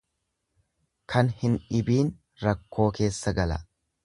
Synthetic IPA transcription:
kʰɐnhɪnᶑɪbiːn | ɾɐkːo̞ːke̞ːsːɐɡɐlɐ̰

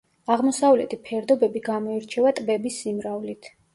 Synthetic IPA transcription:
aʁmɔsavlɛt̪ʰipʰɛɾd̪ɔbɛbiɡamɔiɾt͡ʃʰɛvat̪ʼbɛbisːimɾavlit̪ʰ

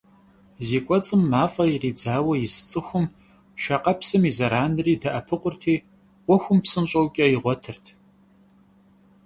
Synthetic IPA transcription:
ziːkʷʼɔt͡sʼɨmːaːfʼɐiriːd͡zaːwɐjɪst͡sʼɨxʷʊm | ʃɐqɐpsɨmizɐɾaːnɨriːdɐʔɐpʰɨqʷʼʊrtʰiː | wʷɔxʷʊmpsɨnɕʼɐwkʲʼɐiʁʷɔtʰɨrtʰ

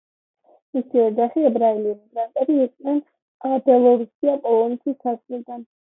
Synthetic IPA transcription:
misiɔd͡ʒaχiɛbɾailimiɡɾant̪ʼɛɾiːkʼnɛn | abɛlˠɔɾusiapʼɔlˠɔnɛt̪ʰisasʼilˠd̪an

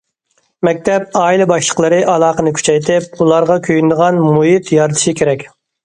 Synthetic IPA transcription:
mɛk̚ʲt̪ʰɛp̚ɑːilɛbɑʃlˠə̥qlˠəɾɨʔɑlˠɑːqənɨkʲʰy̥t͡ʃʰɛjt̪ʰɪp̚ulˠɑɾʁɑkʲʰøjynd̪əʁɑnmuɦit̪jɑɾt̪ʰɨʃikʲʰeɾɛkʲ

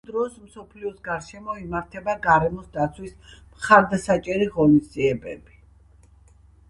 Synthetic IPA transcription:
d̪ɾɔsmsɔpʰliɔsɡaɾʃɛmɔimaɾt̪ʰɛbaɡaɾɛmɔsd̪at̪sʰwismχaɾd̪asat͡ʃʼɛɾiʁɔnisd̪ziɛbɛ̰bi

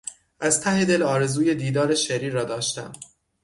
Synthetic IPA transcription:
ʔæzt̪ʰæhe̞d̪e̞lɒːɾe̞zuːje̞d̪iːd̪ɒːɾe̞ʃeɾiːɾːɒːd̪ɒːʃt̪æ̰m

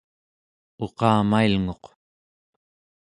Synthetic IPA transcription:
o̞qɑːmailŋo̞q

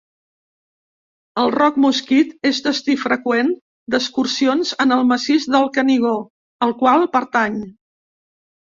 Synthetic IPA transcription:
əlˠrɔkmuskit̪ezd̪əst̪ifɾəkwen | d̪əskuɾsionzənəlˠməsizðəlˠkəniɣ̞o | əlˠkwalˠpəɾt̪aɲ

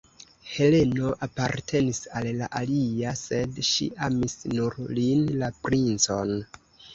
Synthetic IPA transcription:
he̞le̞no̞ʔapaɾtʰe̞nisalːaʔaliase̞dʃḭʔamisnuɾlinlapɾint͡so̞n

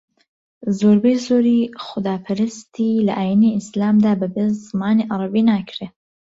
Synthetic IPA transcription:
zoːɾbejzoːɾiːxʊd̪aːpʰɨɾɨst̪ʰilɐ̰ʔaːjiniʔɪslaːmd̪aːbəbezzɨmaːniːʔɑɾˤɑbiːnakʰɾe

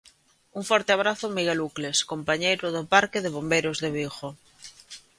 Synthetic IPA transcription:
uŋfɔɾt̪ɪaβ̞ɾaθʊmiɣelukleskompaɲejɾʊðopaɾkɪðeβombejɾozðeβixo

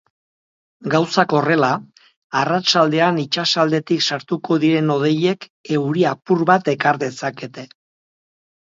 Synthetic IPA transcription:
ɡawsako̞re̞la | arat͡ʃald̪e̞anit͡ʃasald̪e̞t̪iksaɾt̪uko̞ðiɾe̞no̞ð̞e̞je̞ke̞wɾiapuɾβat̪e̞kaɾðe̞sake̞t̪e̞

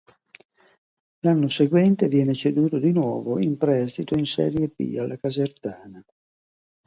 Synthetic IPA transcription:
lanːoseɡwɛnt̪evjɛːnet͡ʃed̪uːt̪od̪inwɔːvoimpɾɛst̪it̪oinsɛ̰ːɾjepḭalːakazert̪aːna

